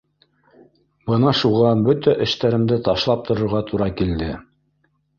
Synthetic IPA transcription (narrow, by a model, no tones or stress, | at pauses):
bɤnɑʃuʁɑbɵt̪æʔɘ̆ʃt̪æɾɘ̆md̪ɘt̪ɑʃlˠɑp̚t̪ŏɾŏɾʁɑt̪ʰuɾɑkild̪ɘ